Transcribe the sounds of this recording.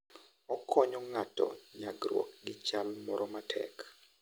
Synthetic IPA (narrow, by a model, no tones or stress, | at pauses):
ɔkʰɔɲɔŋatɔ̰ɲaɡɾwɔ̰k̚ɡɪt͡ʃalmɔɾɔmatʰɛ̰k